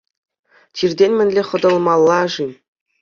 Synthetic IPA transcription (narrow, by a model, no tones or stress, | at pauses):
t͡ɕirʲdʲenʲmʲɘ̆nʲlʲeχɤ̆d̪ɤ̆lˠmɑlˠːɑʐi